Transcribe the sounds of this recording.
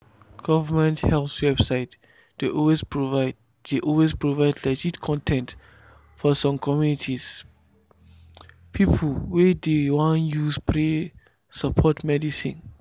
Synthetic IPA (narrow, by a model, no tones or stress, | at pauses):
ɡ̥ɔvamɛ̃nthɛlθwɛb̥saɪt | d̥eʔɔwesv | d̥eʔɔlwespʰɹovaɪdlɛd͡ʒidkʰɔ̃ntʰɛ̃nt | fɔsɔ̃mkʰɔmjunitʰis | pʰipʰlwedewãnjuspʰɹe | sapʰɔtmɛdisḭ̃n